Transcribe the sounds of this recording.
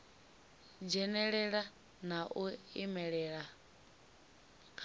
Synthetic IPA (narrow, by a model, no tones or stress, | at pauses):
d͡ʒɛnɛɺɛɺa | naʔuimɛɺɛːɺa